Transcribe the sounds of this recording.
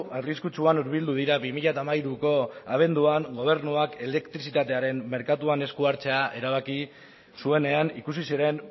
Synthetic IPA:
ariskut͡suanuɾβ̞ild̪uð̞iɾaβimiʎat̪amaiɾuko̞aβ̞e̞nd̪uaŋɡo̞β̞e̞ɾnuake̞le̞kt̪ɾisit̪at̪e̞aɾe̞mme̞ɾkat̪uane̞skuaɾt͡se̞aʔe̞ɾaβaki | sue̞ne̞anikusisiɾe̞n

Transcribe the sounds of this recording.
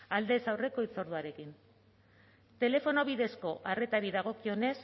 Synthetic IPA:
ald̪e̞sawre̞ko̞it͡so̞ɾðuaɾe̞kin | t̪e̞le̞fo̞no̞βiðe̞sko̞ʔare̞t̪aɾiðaɣ̞o̞kio̞ne̞s

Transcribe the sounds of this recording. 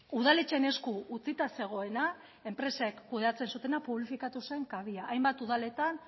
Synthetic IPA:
uð̞alet͡ʃe̞ne̞skuut͡sit̪ase̞ɣ̞o̞e̞na | e̞mpɾe̞sekːuðe̞at͡se̞nsut̪e̞napuβlifikat̪use̞ŋkaβiaʔːjmbat̪uðale̞t̪an

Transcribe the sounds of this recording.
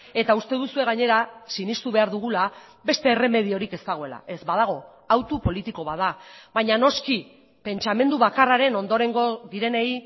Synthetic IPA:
e̞t̪aust̪e̞ðusue̞ɣaɲe̞ɾasinist̪uβe̞aɾðuɣ̞ula | βe̞st̪e̞ːre̞me̞ð̞io̞ɾike̞st̪aɣ̞o̞e̞la̰ʔe̞zbaðaɣ̞o̞ | awt̪upo̞lit̪iko̞βaðaβajɲano̞ski | pe̞nt͡ʃame̞nd̪uβ̞akaraɾe̞no̞nd̪o̞ɾe̞ŋɡo̞ðiɾe̞ne̞j

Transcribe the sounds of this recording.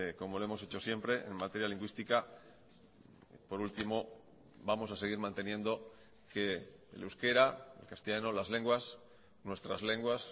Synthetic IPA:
ko̞mo̞loemo̞se̞t͡ʃo̞sje̞mpɾe̞ʔḛnmat̪e̞ɾjaliŋɡwist̪ika | po̞ɾult̪imo̞ | bamo̞sase̞ɣ̞iɾmãnt̪e̞njẽ̞nd̪o̞ | ke | luwske̞ɾaḛlkast̪eʝanolazle̞ŋɡwas | nwe̞st̪ɾazle̞ŋɡwas

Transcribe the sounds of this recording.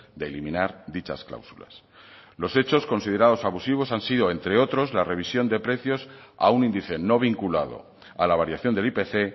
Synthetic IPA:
d̪e̞ːlimĩnaɾd̪it͡ʃa̰skla̰wsula̰s | lo̞se̞t͡ʃo̞sko̞nsið̞e̞ɾaðo̞saβusiβ̞o̞sansiðo̞e̞nt̪ɾe̞o̞t̪ɾo̞zlare̞β̞isjo̞nd̪e̞pɾe̞θjo̞s | a̰unĩnd̪iθe̞no̞β̞iŋkulað̞o̞̰ | alaβ̞aɾjaθjo̞nd̪e̞lipe̞θe̞

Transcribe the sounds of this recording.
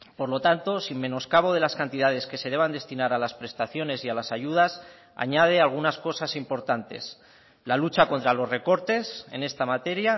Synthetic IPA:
poɾlo̞t̪ant̪o̞simmẽ̞no̞skaβ̞o̞ð̞e̞laskant̪iðað̞e̞ske̞se̞ðe̞β̞and̪e̞st̪inaɾalaspɾe̞st̪aθjo̞ne̞sialasaʝuð̞as | a̰ɲað̞e̞alɣ̞unasko̞sasimpo̞ɾt̪ant̪e̞̰s | lalut͡ʃako̞nt̪ɾalo̞zre̞ko̞ɾt̪e̞se̞̰ne̞st̪amat̪e̞ɾja

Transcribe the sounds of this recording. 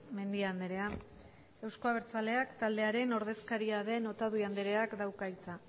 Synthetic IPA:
me̞nd̪iand̪eɾe̞a | e̞wsko̞aβ̞e̞ɾt͡sale̞akt̪ald̪e̞aɾe̞no̞ɾð̞e̞skaɾiaðe̞no̞t̪aðuiand̪eɾe̞akd̪awkajt͡sa

